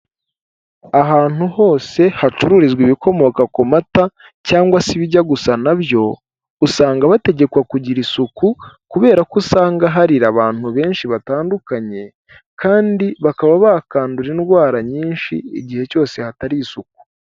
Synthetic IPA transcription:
aɦaːn̥huho̞ːse̞hat͡ʃuɾuɾizɡwiβikʰo̞mo̞kakomata | caːŋɡwasiβiɟaɡusanaβjo̞ | usaːŋɡaβate̞ɟe̞kwakuɟiɾisukukuβe̞ːɾakusaːŋɡaɦaɾiɾaβaːn̥huβe̞ːnʃiβataːndukaɲe̞ | kʰaːndiβakaβaβakaːnduɾinɡwaːɾaɲiːnʃiḭɟihe̞co̞ːse̞hataɾiːsuk̚u̥

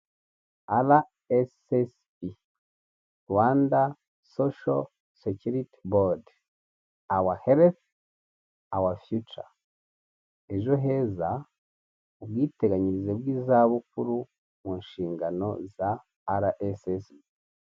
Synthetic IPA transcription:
ala | eses | i | ɾwaːnda | soʃo | secuɾiti̥bod | awaheɾeθ | awafjut͡ʃa̰ | e̞ʒo̞ɦe̞ːza | oβwiːte̞ɡaɲiɾizeβwiːzaβuk̚uɾu | munʃiːŋɡano̞̰zaː | ɾaʔesesbi

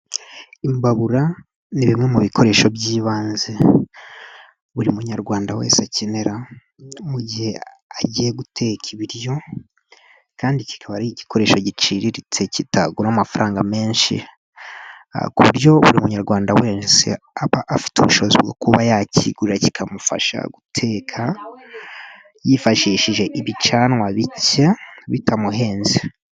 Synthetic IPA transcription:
imbaβuɾa | niβimŋe̞muβikʰo̞ɾe̞ːʃo̞bɟiːβaːnze | βuɾimuɲaɾɡwaːndawḛːnsacineɾa | muɟihe̞ | aɟije̞ɡutʰe̞kʰiβiɾjo̞ | kaːndici̥kʰaβaɾiiɟi̥ko̞ɾe̞ːʃoɟit͡ʃiɾiɾit͡se̞cita̰ɡuɾamafaɾaːŋɡame̞ːnʃḭ | a̰kuβuɾjo̞βuɾimuuɲaɾɡwaːndaweːnsḛ | aβaʔafi̥tuβuʃozibɡo̰kuβajaciɡuɾaci̥kʰamufa̰ʃa̰ɡutʰe̞ːkʰa | jifaʃiːʃiʒe̞ʔiβit͡ʃanwaβicaβitʰamuɦe̞ːnzi

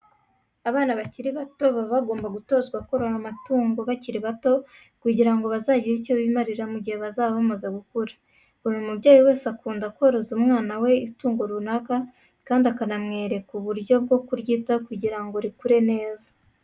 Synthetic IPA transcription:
aβaːnaβaciɾiβato̞βaβaɡo̞ːmbaɡuto̞ːzɡwako̞ɾo̞ɾamatuːŋɡo̞βaciɾiβato̞ | kuɟiɾaŋɡo̞βazaːɟiɾico̞βimaɾiɾamuɟihe̞βazaːβaβamazeɡukuɾḁ | unumubɟaːjiwe̞ːsakuːndakwoɾo̞zumŋaːnawe̞ituːŋɡo̞ɾunaka | kaːndiakanamŋe̞ːɾe̞kuβuɾjo̞b̚ɡo̞kuɾɟiːtakuɟiɾaŋɡo̞ɾikuɾe̞ne̞ːza

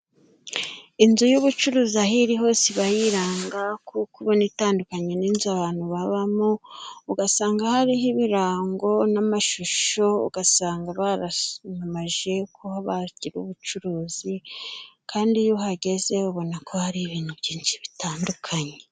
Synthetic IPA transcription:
inzujuβut͡ʃuɾuːziaɦiɾiɦo̞ːsiβajiɾaːŋɡakukuβonitaːndukaɲe̞niːnzuaβaːn̥huβaβamouɡasaːŋɡahaɾiɦiβiɾaːŋɡo̞namaʃuʃo̞ṵɡ̥asaːŋɡaβaɾamamaʒe̞kʰohaβaɟiɾṵβut͡ʃuɾuːz̥i | kʰaːndijoɦaɟe̞ze̞uβo̞nakʰo̞haɾiβiːnhubɟiːnʃiβitaːndukʰaɲe̞

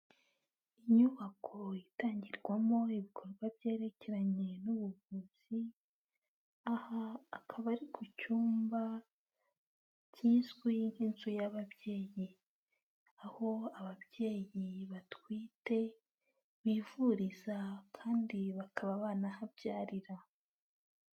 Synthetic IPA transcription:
iɲuβakʰo̞itaːɲɟiɾɡwamo̞iβikʰo̞ɾɡwabje̞ːɾe̞ce̞ɾaɲe̞nuβuvuːz̥i | ahaːkʰaβaɾikʰucuːmba | ciːzɡwiŋheːnsujaβaβje̞ːji | aho̞aβaβje̞ːjiβatwiːte̞ | βiːvuɾizakʰaːndiβakʰaβaβaːnahabɟaːɾiɾa

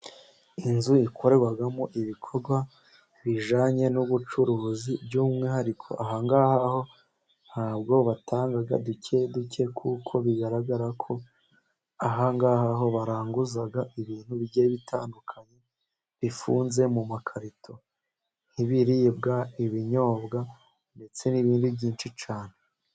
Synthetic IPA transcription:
inzuikʰo̞ɾe̞ɡwaɡamoʔiβikʰo̞ɾɡwa | βiʒaːɲe̞nuβut͡ʃuɾuːzibɟuːmŋihaɾikʰo̰ʔaɦaŋɡaːhaho̞ | n̥aːbɡo̞βatʰaːŋɡaɡa̰ducʰeduce̞kʰukʰo̞βiɡaɾaɡaɾakʰo̞ | aɦaŋɡaːhaɦo̞βaɾaːŋɡuzaɡaiβiːn̥huβiɟeβitʰa̰ːndukʰaɲe̞ | βifuːnze̞mumakʰaɾitʰo̞ | niβiɾibɡaiβiɲo̞ːbɡa | nde̞t͡se̞niβiːndubɟiːnt͡ʃit͡ʃaːne̞

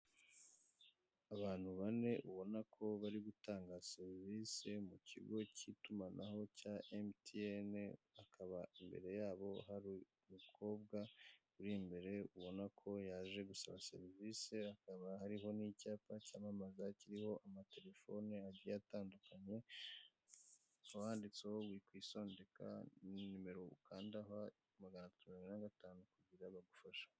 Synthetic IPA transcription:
aβaːn̥huβane̞ʔuβo̞nakʰo̞βaɾiɡutaːŋɡaseɾiviːsemucḭɡo̞cʰitumanaho̞caʔemtiene | akʰaβaimbe̞̰ɾe̞jaːβo̞haɾi | mukʰo̞ːβɡakuɾimbe̞ɾe̞uβo̞nakʰo̞jaːʒe̞ɡusaβase̞̰ɾiviseakaβahaɾiɦo̞nicaːpacaːmamazaciɾiho̞ʔamate̞ɾe̞fo̞neaɟiaataːndukaɲe̞ | uwaːndit͡seowikwiːso̞ːnde̞kʰa̰nume̞ɾo̞ukʰaːndaɦa | maɡanatatumiɾinaɡataːnukuɟiɾaβaɡufaʃḁ

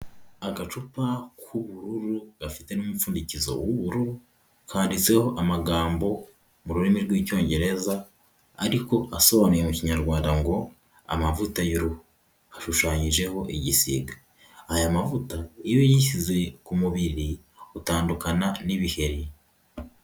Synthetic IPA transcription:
aɡat͡ʃupakʰuβuɾuɾuɡafi̥te̞numufuːndicizo̞̰wuβuɾu | kʰaːndit͡se̞ho̞ʔamaɡaːmbo̞ | muɾuɾimiɾɡwiːcoːɲɟe̞ɾe̞zaː | ɾiko̞aso̞βanijemuciɲaɾɡwaːndaŋɡo̞ | a̰mavutajuɾuhu | hḁʃuʃaːɲiʒe̞ho̞ʔiɟisḭːɡaː | jamavutaijojiʃize̞kumuβiɾi | utaːndukananiβihe̞ɾi

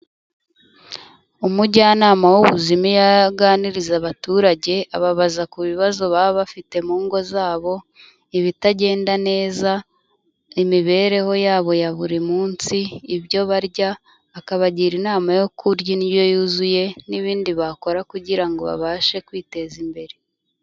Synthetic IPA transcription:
umuɟanaːmawuβuzimijaɡaːniɾizaβatuːɾaɟe̞aβaβazakuβiβazo̞βaːβoβafite̞muːŋɡo̞zaːβo̞ | iβitaɟe̞ːndane̞ːza | imiβe̞ɾe̞ho̞jaːβo̞jaβuɾimuːnsiːβɟo̞βaɾɟaː | kaβaɟiɾinaːmajo̞kʰuɾɟiniβjo̞juːzuje̞niβiːndiβako̞ɾakuɟiɾaŋɡo̞βa̰βaːʃe̞kwiːte̞zimbe̞ɾe

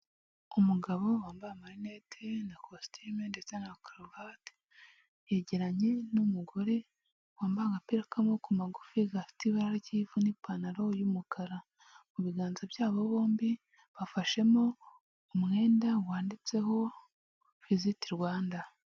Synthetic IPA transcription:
umuɡaβo̞waːmbahamaɾinetʰenakʰostʰimende̞t͡se̞nakɾovat | jeɟeɾaɲe̞numuɡo̞ɾe̞ | waːmbahaŋɡapeɾekamokumaɡufiɡafi̥tiβaɾaɾciːvunipanaɾo̞jumukʰaɾa | muβiɡaːnzabjaːβo̞βo̞ːmbi | βafaʃe̞mo | umŋe̞ːndawaːndit͡se̞ho̞ | fizitiɾwaːnda

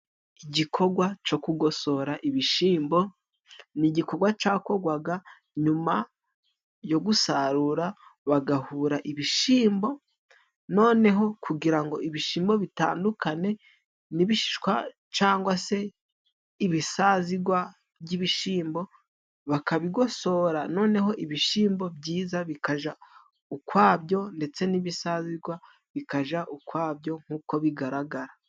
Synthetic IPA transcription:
iɟikʰo̞ɡwat͡ʃo̞kuɡo̞so̞ɾaʔiβiʃiːmbo̞ | niɟiko̞ɡwat͡ʃaːko̞ɡwaɡa | ɲuma | jo̞ɡusaɾuɾaβaɡahuːɾaʔiβiʃiːmbo̞ | no̞ːne̞ɦo̞kuɡiɾaŋɡo̞iβiʃiːmbo̞βita̰ːndukane̞ | niβiʃi̥ʃkwa | t͡ʃaːŋɡwase̞ | iβisaziɡwa | bɟiβiʃiːmbo̞ | βakaβiɡo̞so̞ːɾano̞ːne̞ɦo̞ʔiβiʃiːmbo̞bɟiːzaβikaʒa | ukwaːbjo̞nde̞t͡se̞niβisaziɡwa | βikaʒaʔukwaːbjo̞ŋ̥huːko̞βiɡaɾaɡaɾa

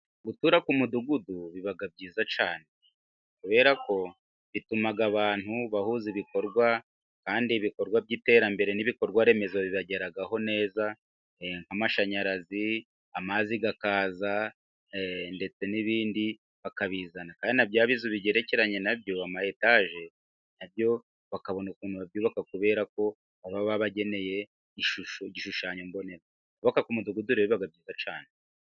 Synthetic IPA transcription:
ɡutuːɾakumuduɡuduβiβaɡab̚ɟiːzat͡ʃaːne̞ | kuβe̞ɾako̞ | βitumaɡaβaːn̥huβahuziβiko̞ɾɡwa | kaːndiβiko̞ɾɡwabɟite̞ːɾambe̞ɾe̞niβiko̞ɾɡwaɾe̞me̞zwaβiβaɟe̞ɾaɡaɦo̞ne̞ːza | ŋ̥hamaʃaɲaɾazi | amaziɡakaːza | nde̞t͡se̞niβiːndi | βakaβiːzanakaːndinabjaːβizuβiɟeɾece̞ɾaɲe̞nabjo̞amahe̞taʒe̞ | nabjo̞ | βakaβo̞nakuːnhuβabjuːβakakuβe̞ːɾako̞ | aβaβaβaɟe̞ne̞je̞ | iʃuʃoɟiʃuʃaːɲombo̞neɾa | kuβakakumuduɡuduɾeββaɡab̚ɟiːzat͡ʃaːne

